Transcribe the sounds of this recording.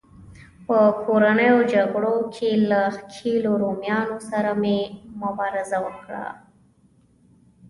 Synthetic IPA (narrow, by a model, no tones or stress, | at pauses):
pəkʰoɾanəjod͡ʒaɡɽokʰelakʰeloɾomjɑnosaɾamemʊbɑɾɪzawəkɽa̰